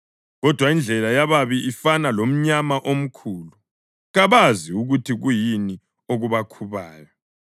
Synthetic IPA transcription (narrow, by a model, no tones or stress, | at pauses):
ɣɔd̥ʱwaind͡ɮʱɛlajaβaβiʔifanalom̩ɲamaʔom̩kʰuːlu | ɣaβaziuɣutʰiɣujini | oɣuβakʰuβaːjɔ